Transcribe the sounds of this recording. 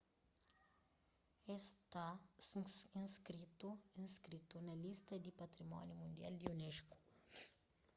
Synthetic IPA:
est̪a | ĩnskɾit̪uĩnskɾit̪unɐlist̪ɐd̪ipɐt̪ɾimɔ̰njumũnd̪ia̰ld̪iuneʃku̥

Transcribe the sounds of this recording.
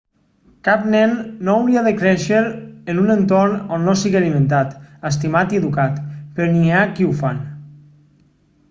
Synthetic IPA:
kapnɛnːoawɾiaðekɾɛʃeɾenunent̪oɾnonːosiɣialimẽnt̪at̪əst̪imat̪ieðukat̪peɾniakiufan

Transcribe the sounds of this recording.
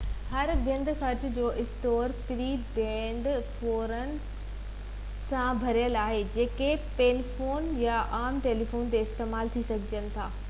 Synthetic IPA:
hɐɾbə̃nd̪ʱxɐɾt͡ɕʊ̆d͡ʑoːʔɪsʈoːɾpɪɾiːbẽːɳɖfoːɾənɪ̆ | sãbʱɐɾijəlaːɦed͡ʑeːkepeːlifoːnjaʔaːmʈeːlifoːnt̪eɪst̪eːmaːlt̪ʰisɐɡʱɪd͡ʑənɪ̆t̪ʰaː

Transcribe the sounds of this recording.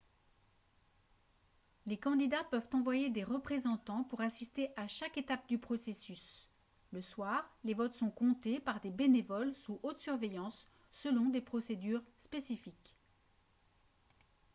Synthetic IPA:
lekɑ̃d̪id̪apœvt̪ɑ̃vwajed̪eʁəpχezɑ̃t̪ɑ̃puʁasist̪eʔaʃaket̪ap̚d̪ypχɔsesys | ləswaːʁlevɔt̪sɔ̃kɔ̃t̪epaʁd̪ebenevɔlsuʔot̪syʁvejɑ̃sː | əlɔ̃d̪epχɔsed̪yʁspesifik

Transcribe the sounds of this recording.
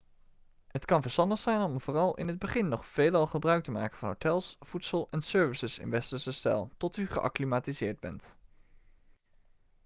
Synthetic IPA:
ɦətkɑnvəɹstɑndəχsɛjnɔmvoːrɑlˠɪ̰nɦəd̚bəχɪnːɔχfeːlɑlˠχəbrœɥk̚təma̰ːkənvɑnɦo̰wtɛlˠsfutsəlˠɛnsøːɹvisəsɪ̰nʋɛstəɹsəstɛ̰lˠtɔtyχə̰ʔɑ̰klimaːtizɪːɹd̚bɛ̰nt

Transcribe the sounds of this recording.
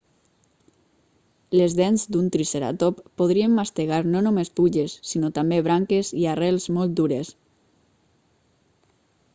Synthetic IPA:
lezðɛnzd̪unt̪ɾiseɾa̰t̪opːoð̞ɾiemːast̪eɣaɾnonomespuʎesːinot̪ambeβ̞ɾaŋkeziarɛlˠzmolˠt̪̚d̪uɾes

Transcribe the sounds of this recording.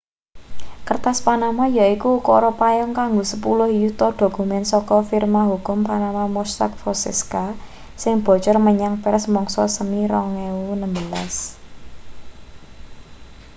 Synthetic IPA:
kərt̪aspanamajaikukɔɾɔpajɔŋkaŋɡosəpulʊhjut̪ɔɖ̪̥o̤kumɛnsɔkɔfirmaɦukʊmpanamamɔst̪a̰k̚fɔsɛ̰ska | sɪŋb̥ɔ̤t͡ʃɔrməɲaŋpɛrsmɔŋsɔsəmiɾɔŋɛunəmbəlas

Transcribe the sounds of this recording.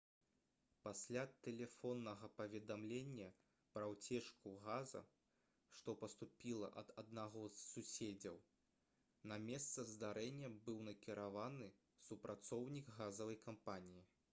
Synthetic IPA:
pasʲlʲat̪ɛlʲɛfɔnːɐɣɐpɐvʲɛd̪amlʲenʲːɐ | pɾɐwt͡sʲɛʂkuɣazɐ̰ | ʂt̪ɔpɐst̪upʲilˠɐ̰ʔɐd̪ɐd̪naɣɔzsusʲed͡zʲɐw | nɐmʲɛst̪sɐzd̪aɾɛnʲːɐbɨwnɐkʲiɾavanɨ | supɾʔat̪sɔwnʲiɡɣazɐvɐjkampanʲiji

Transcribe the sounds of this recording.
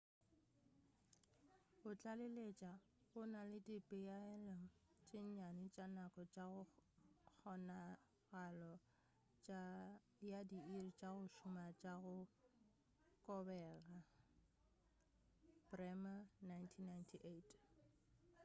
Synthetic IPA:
bʊt͡ɬʼalelet͡ʃʼa | ɣʊnalɪdɪpʼɪjalɛŋ̩ | t͡ʃʼɪɲɲanɪt͡ʃʼanakʼɔt͡ʃʼaɣʊk͡xʰɔna | ɣalɔ | t͡ʃ | jadiirit͡ʃʼaɣʊʃʊmat͡ʃʼaɣʊ | kʼɔbɛːɣa | prɛmanajntʰinːajntʰiʔetʰ

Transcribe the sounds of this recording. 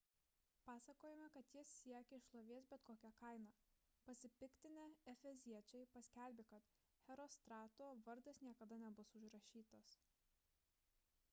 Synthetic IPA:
pɑːsɐkoːjɛmʲɛkɐt̪jɪsːʲiɛkʲɛɪʃlˠoːʋʲiɛsbʲɛt̪koːkʲɛkɐˑɪnɑː | pɐsʲɪpʲɪkt̪ʲɪnʲɛɛfʲɛzʲiɛt͡ʃʲɛɪpɐsʲkʲæˑlʲbʲɪkɐt̪ | xʲɛɾɔst̪ɾɑːt̪oʋɐɾd̪ʲɐsnʲiɛkɐd̪ɐnʲɛbʊsʊʒɾɐʃʲiːt̪ɐs

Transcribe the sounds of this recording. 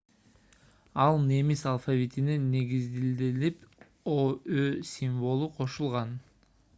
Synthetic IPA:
ɑlˠne̞misalˠfavʲit̪ineneɡizd̪ild̪ilip | oøsʲiɱvo̞lˠuqʰo̞ʃulˠʁɑn

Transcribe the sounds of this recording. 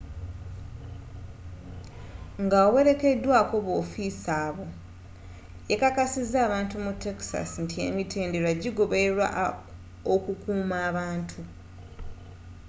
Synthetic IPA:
ŋɡaowe̞ɾe̞ke̞dːwaːko̞βo̞ːfiːsaːβo̞ | jekakasizːaːβaːntumutːe̞ksa̰sintʰie̞̰mitʰe̞ːnde̞ɾwaɟiɡo̞βe̞eɾwa̰ | okukuːmaːβaːntʰu

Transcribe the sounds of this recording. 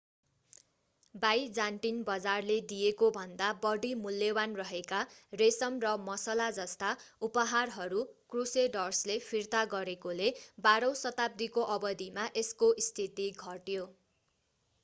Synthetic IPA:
bajd͡zanʈinbʌd͡zarled̪ijekobʱʌnd̪abʌɽimuljʌwanrʌɦekaresʌmrʌmʌsʌlad͡zʌst̪aupʌɦarɦʌɾukruseɖʌrslepʰirt̪aɡʌɾekolebaɾʌ̃wsʌt̪ab̚d̪ikoʔʌbʌd̪imaʔeskoʔist̪ʰit̪iɡʱʌʈjo

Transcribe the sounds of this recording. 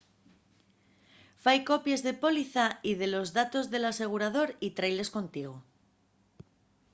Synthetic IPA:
fajko̞pjezðe̞po̞liθaið̞e̞lo̞zðat̪o̞zðe̞lase̞ɣ̞uɾað̞o̞ɾit̪ɾajle̞skõ̞nt̪iɣ̞o

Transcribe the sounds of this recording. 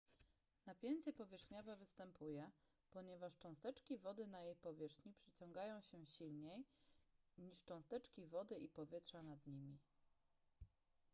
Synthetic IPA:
napʲjeɲt͡ɕɛpɔvʲjɛʂxɲɔvɛvɘst̪ɛmpʰujɛ | pɔɲɛvaʂt͡ʂɔ̃w̃st̪ɛt͡ʂkʲivɔd̪ɘnajejpɔvʲjɛʂxɲipʂɘt͡ɕɔ̃ŋɡajɔ̃w̃ɕɛɕilɲej | ɲiʂt͡ʂɔ̃w̃st̪ɛt͡ʂkʲivɔd̪ɘʔipɔvʲjɛt̪ʂanad̪ɲimʲi

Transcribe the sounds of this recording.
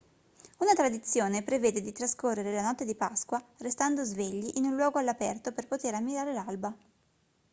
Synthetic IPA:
unat̪ɾad̪it̪sːjoːnepɾeveːd̪ed̪it̪ɾaskorːeɾelanɔt̪ːed̪ipaskwarest̪and̪ozveʎːiʔinullwɔːɡoalːapɛrt̪operpot̪eɾamːiɾaːɾelalba

